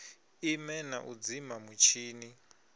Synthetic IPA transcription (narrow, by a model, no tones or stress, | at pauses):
imɛna̰ʔud͡zimamut͡ʃʰiːni